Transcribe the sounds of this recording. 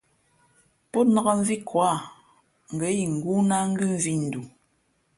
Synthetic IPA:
pɔ˦tna˨˦ɣa˦ɱ̩˦vi˦kwa˦˨ | ŋ̩˨ɡə˨˦ji˨ŋ̩˨ɡu˦na˦ŋ̩˦ɡɨ˦ɱ˦vi˦n̩˨du˨

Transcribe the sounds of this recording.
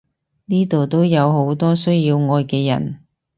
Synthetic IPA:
niː˥t̪o˨wt̪o˥wjɐ˨˧wɦo˨˥wt̪ɔː˥sɵ˥ɥjiː˧wŋɔː˨˧jkɛː˧jɐ̰˨˩n

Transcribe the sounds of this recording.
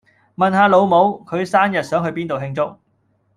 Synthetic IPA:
mɐ˨˩nɦaː˨˧lo˨˧wmo˨˧wkʰɵ˨˧ɥsaː˥njɐ˨t̚sœː˨˥ŋɦɵ˧ɥpiː˥nt̪o˨wɦɪ˧ŋt͡sʊ˥k̚

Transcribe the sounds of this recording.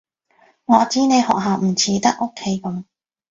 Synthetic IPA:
ŋɔː˨˧t͡siː˥ne˨˧jhɔ̰ː˨k̚ɦaː˨˩wm̩˨˩t͡sʰiː˨˥t̪ɐ˥k̚ʔo˥kʰːe˧˥jkɔ˨˧˦m

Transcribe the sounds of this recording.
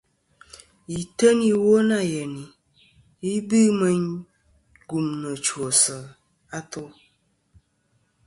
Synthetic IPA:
i˨tə˦ni˦wo˦na˦˨jə˨ni˨ | i˦bɨ˦mə˦ɲ | ɡu˨mnə˨t͡ʃwo˨sə˨ | a˦to˦

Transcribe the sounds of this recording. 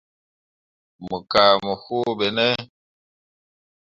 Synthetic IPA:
mə˨ka˨mə˨hu˦be˨nɛ˦

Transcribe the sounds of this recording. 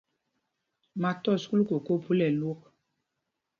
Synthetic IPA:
ma˨tɔ˦˨sku˦lu˦ko˨ko˦pu˦lɛ˨lo˦k̚

